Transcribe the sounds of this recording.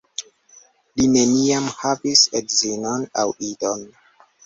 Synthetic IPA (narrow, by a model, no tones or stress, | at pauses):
line̞niamhavisedzinona̰widon